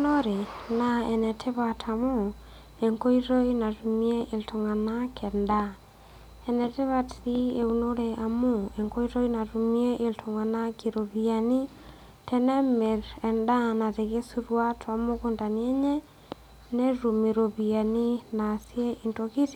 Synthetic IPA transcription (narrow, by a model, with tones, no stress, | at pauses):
noɾe˨naɛnɛtʰe˦βatʰa˨mo˦ | e˨ŋko˦i˦ɾo˦ina˨tu˨mieʔe˨ltʰoŋa˨nakʰɛ˨nda | ɛnɛ˨te˦βa˦ti˦e˨unoɾɛʔa˨moeŋko˦i˦ɾo˦ina˨tumie˦ʔeltʰo˨ŋa˨na˦kiɾo˨βia˨ni˦ | tɛnɛ˦me˨ɾɛ˨nda˦na˨te˨ɣe˦su˦ɾwa˦tʰwa˨mokonda˨niɛ˦ɲɛ˦ | nɛ˦ɾu˨meɾo˨βia˨ni˦na˨sje˦ʔintoki˦ti